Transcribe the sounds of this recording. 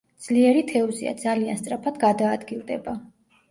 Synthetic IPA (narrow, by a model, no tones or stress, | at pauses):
d̪z̥liɛɾit̪ʰɛɔzḭa̰d̪zalia̰nst̪sʼɾapʰad̪ɡad̪aːd̪ɡilˠd̪ɛ̰ba